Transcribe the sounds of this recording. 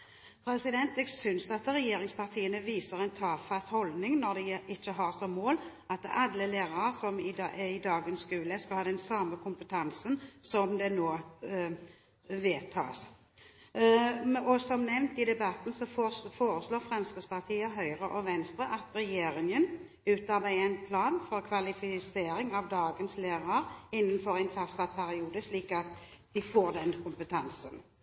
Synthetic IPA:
pʰɾɛsɪd̪ɛnt̪ɛːɡsʏnsɑt̪ʁɛjeːɾɪŋspʰɑʁt̪ʰiːənəʋiːsəʁɛnt̪ʰɑːfɑt̪hɔld̪nɪŋnɔʁd̪ɛʔɪçːəɦɑʁsɔmːoːl | ɑt̪ɑlːəleːʁɑəsɔmɪɪd̪ɑːɡənskʉːləskɑhɑːd̪ɛnsɑːməkʰʊmpət̪ʰɑnsənsɔmd̪ɛnoː | ʋeːt̪ʰɑ̰ːs | ɔsɔmnɛʋnt̪ɪd̪ɛbɑt̪n̩sɔfoːɾəsloːʁfʁɛmskəd̪spɑʁt̪ʰiːəɦœʏʁəʔɔʋɛnst̪ʁəʔɑt̪ɾɛjeːɾɪŋən | ʉːt̪ɑʁbæɪæɪnpʰlɑːnfɔʁkʰʋɑlɪfɪseːɾɪŋɑʋd̪ɑːɡənsleːʁɑɾɪnːənfɔɾæɪnfɑst̪ɑpʰæɾɪuːd̪əʂliːkɑt̪d̪̥ɪfoːʁd̪ɛnkʰʊmpət̪ʰɑnsən

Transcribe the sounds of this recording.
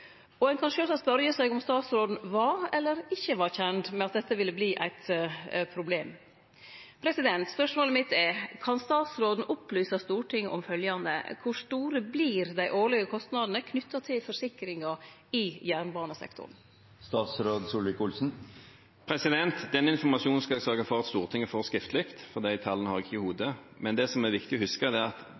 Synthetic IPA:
ɔɛnkʰɑnʂøːsɑspœɾjəsæɪɡɔmst̪ɑːt̪sɾoːd̪n̩ʋɑɾɛlːəɾɪçːəʋɑɾçɛnd̪mɛɑt̪̚d̪ɛt̪ːəʋɪlːəbliːʔæ̰ɪt̪pʰɾʊbleːm | pʰɾɛsɪd̪ɛnt̪spœʂmoːləmɪt̪ːɛkʰɑnst̪ɑːt̪sɾoːd̪n̩ʔʊplyːsəst̪uːʈʰɪŋːəʔɔmfœljɑnd̪ə̰kʰʊʂt̪uːɾəbliːɾd̪æɪʔoːɭɪɡəkʰɔst̪nɑd̪n̩əkʰnʏt̪ːɑt̪ʰɪlfɔʂɪkɾɪŋɑ | ɪjæːʁɳbɑːɳəsɛ̰kt̪ʊ̰ɾn̩ | st̪ɑːt̪sɾoːd̪sulɪkʊlsn̩ | pʰɾɛsɪd̪ɛnt̪d̪ɛnːəɪnfɔʁmɑʂuːn̩skɑɛɡsœːɡɑfɔʁɑt̪st̪uːʁt̪ʰɪŋːəfɔʁskɪft̪lɪkt̪fɔʁd̪æɪt̪ʰɑlːənəhɑʁɪkɪçəhuːd̪ə | mɛnd̪ɛsɔmɛʋɪkt̪ɪɔhʉskəd̪ɛːɑt̪

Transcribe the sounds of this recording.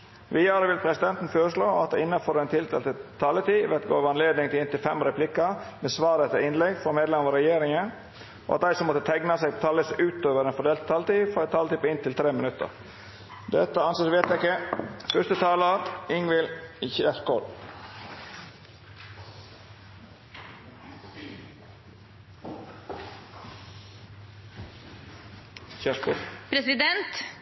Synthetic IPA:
ʋiːɑɾəʋɪlpʰɾɛsɪd̪ɛnt̪n̩føːɾəʂɭoːɑ̰t̪̚d̪æɪnːɑfɔɾɛnt̪ʰɪld̪ḛlt̪ət̪ʰɑːlət̪iːʋɛt̪ɡo̰ːʋɑnleːd̪nɪŋt̪ɪlɪnt̪ɪlfɛmɾɛpʰlɪkɑmeːsʋɑːɾət̪əɪnlɛɡfɔmeːd̪lɛmɑɾɛjeːɾɪŋən | o̰ɑ̰t̪̚d̪æɪsɔmːɔt̪ːət̪ʰɛɡnɑseːɡpt̪ʰɑːləsʉːt̪øːʋəɾeːnfɔɖ̪eːlt̪t̪ʰːɑːlət̪iːfɔɛt̪ʰːɑːlət̪ɪpɪnt̪ɪlt̪ʰɾeːmɪnʉt̪ːə̰ɾ | d̪ɛt̪ːəɑnseːsʋeːt̪jæɪkːəfœst̪ət̪ʰɑːləɾɪŋʋɪlçæʂkoːd̪ | çæʂkopʰɾɛsɪd̪ɛnt̪

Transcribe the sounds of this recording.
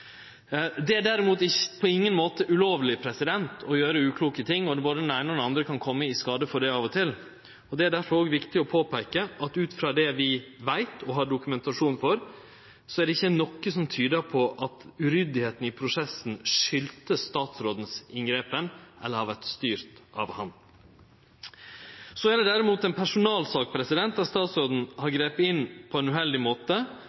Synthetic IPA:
d̪ɛæɖæɾɪmuːt̪ɪçpʰɔɪŋːənmoːt̪əʔʉloːʋlɪpʰɾɛsɪd̪ɛnt̪ʰɔjøːɾəʉːkʰluːkət̪ʰɪŋːɔd̪ɛboːd̪əd̪ɛnæɪnəɔd̪nɑnd̪ɾəkʰɑnkʰɔmːəɪskɑːd̪əfɔɖɛɑːʋɔt̪ʰɪl | ɔd̪ɛæɖæɾfɔɾoːɡʋɪkt̪ɪɔpʰoːpʰæɪkəʔɑt̪ʉːt̪fɾɑːd̪ɛʋɪʋæɪt̪ʰɔɦɑɖʊkʉmɛnt̪ɑʂuːnfɔɾ | sɔæɖɛɪçːənɔkːəsɔmt̪ʰyːd̪əɾpʰɔʔɑt̪ʉɾʏd̪ɪheːt̪n̩ɪpʰɾʊsɛsn̩ʂʏlt̪əst̪ɑːt̪sɾoːd̪n̩sɪŋɡɾeːpənʔɛ̰lːəɾhɑɾʋæʈst̪yːɾt̪ɑ̰ʋhɑn | sɔæɖɛd̪æɾɪmuːt̪ɛnpʰæʂʊnɑːlsɑːk̚pʰɾɛsɪd̪ɛnt̪ɑst̪ɑːt̪sɾoːd̪n̩hɑɾɡɾeːp̪ɪnːpʰɔɛnʉːɦɛld̪ɪmoːt̪ə

